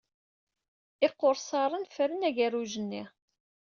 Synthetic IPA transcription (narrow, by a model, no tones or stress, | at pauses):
ɪqːoɾsɑɾˤənfəɾənæʝæruʒənːi